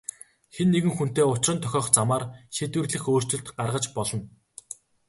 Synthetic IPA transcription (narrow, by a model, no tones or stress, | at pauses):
xenːeɣɘ̆ŋxun̥t̪eːʊt͡ɕrə̆nt̪ʰœxʲɔːχt͡samaːrʃet̪wɘ̆rɮɘ̆xoːr̥t͡ɕɪ̆ɮt̪ɢarʁə̆t͡ɕpɔɮɞ̆n